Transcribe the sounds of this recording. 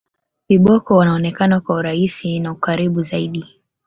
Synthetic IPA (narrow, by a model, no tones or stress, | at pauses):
kiɓɔkɔwanaɔnɛkanakwauɾaisinaukaɾiɓuzaiɗi